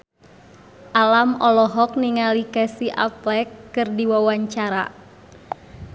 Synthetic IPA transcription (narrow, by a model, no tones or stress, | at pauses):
ʔalamɔlɔɦɔk̚niŋalikɛsiʔa̰plɛkːɨrdiwawaɲt͡ʃaɾa̰